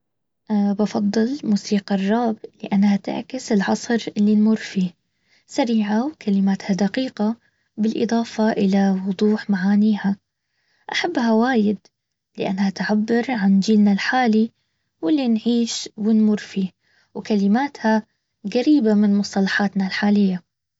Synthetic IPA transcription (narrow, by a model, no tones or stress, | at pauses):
ʔbɑfɑd̪ˤːɨlmʊsiːqɑrˤːɑːblɪʔanːhat̪ɪ̰ʕkɪsɪlʕɑsˤɾʔɪlːinmuɾfiː | saɾiːʕawkʰalɪmaːt̪had̪aqiːqa | bɪlʔɪ̰d̪ˤɑːfɑʔɪlawʊd̪ˤuːħmaʕaːniːha | ʔaħabːɦawaːjɪd̪ | lɪʔa̰nːhat̪ʕabːɪɾʕand͡ʒiːlnalħaːli | wɪlːinʕiːʃwɪnmʊrfiː | wkalɪmaːt̪ha | ɣaɾiːbamɪnmʊsˤt̪ɑlɑħaːt̪nalħaːlɪjːa